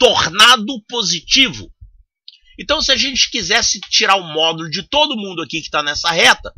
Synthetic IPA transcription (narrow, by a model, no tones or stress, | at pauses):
t̪oɾnad̪ʊpozit͡ʃivʊ̰ | ẽt̪ɐ̃w̃sɪaʒẽnt͡ʃɪ̥kizɛsɪt͡ʃiɾaɾʊ̃mɔd̪ulʊd͡ʒɪt̪od̪ʊmũnd̪ʊakikɪ̥t̪anɛsɐɦɛt̪ɐ